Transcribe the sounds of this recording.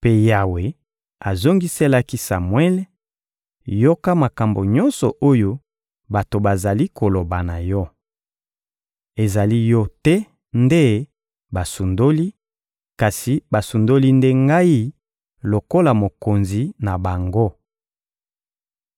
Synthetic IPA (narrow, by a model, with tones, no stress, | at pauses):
pe˦ja˨we˨ | a˨zo˦ŋɡi˦se˦la˦ki˦sa˨mwɛ˦l | jo˦ka˦ma˨ka˨mbo˨ɲɔ˦nsɔ˨ʔo˦jo˦ | ba˨to˨ba˨za˨li˦ko˨lo˨ba˨na˨jɔ˦ | e˨za˨li˦jɔ˦tɛ˦ | nde˦ | ba˨su˨ndo˦li˦ | ka˨si˨ba˨su˨ndo˦li˦nde˦ŋɡa˦i˦ | lo˨ko˦la˨mo˨ko˨nzi˨na˨ba˨ŋɡo˦